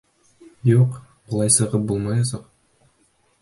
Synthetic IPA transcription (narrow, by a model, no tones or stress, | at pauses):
juqbŏlˠɑjsɤ̆ʁɤp̚bulˠmɑjɑs̬ɑq